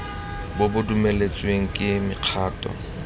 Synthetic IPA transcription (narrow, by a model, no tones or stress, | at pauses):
bʊbʊdumelet͡sʼweŋ̩kʼɪmɪq͡χʰaːtʼɔ̰